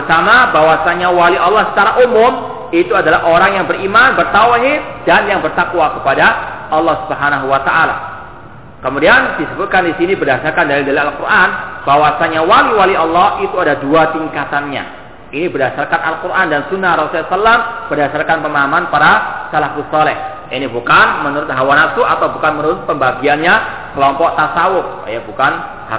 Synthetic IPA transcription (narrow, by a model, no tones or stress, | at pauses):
bəsamabawasaɲawaliʔɑlːɔhsə̥t͡ʃaɾaʔumʊm | it̪uadalaɦʔoɾaŋjaŋbərimanbərt̪awɦɪt̪̚d̥anjaŋbərt̪akwakəpadaʔɑlˠːɔhsubəɦanaɦuwat̪aʔala̰ | kəmudiandisəbʊt̪̚kandisinibərdasarkandaɾidalialkurʔanbawasaɲawaliwaliɑlːɔhit̪uadaduat̪iŋkat̪anɲa̰ | inibərdasarkana̰lkuɾʔandansunːarɔsulasalːamb̥ərdasarkanpəmaɦamanpaɾasalahusɔlɛh | inibukanmənuɾʊt̪̚ɦawanasuat̪awbukanmənuɾʊt̪̚pəmbaɡianɲa | kəlɔmpɔʔt̪asawʊk̚jabukan | ha